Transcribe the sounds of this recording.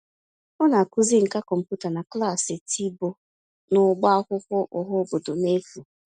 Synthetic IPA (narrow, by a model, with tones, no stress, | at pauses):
ʊ˦na˨a˨ku˦zi˦ŋ̩˨ka˦kɔ˨m̩˨pu˦ta˨na˨kla˦˨sɪ˨tʰi˦bo˨ | nʊ˦ɡ͡ba˦kʊ˦kɔ˦ʔʊ˨ɦɔ˦bo˨dʊ˨ne˦fu˨